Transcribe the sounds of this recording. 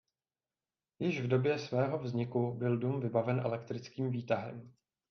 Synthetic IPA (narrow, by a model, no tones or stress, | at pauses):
jɪʃvdo̞bjɛsvɛːɦo̞vzɲɪkubɪlduːmvɪbavɛnʔɛ̰lɛkt̪ɾɪt͡skiːmviːt̪aɦɛ̰m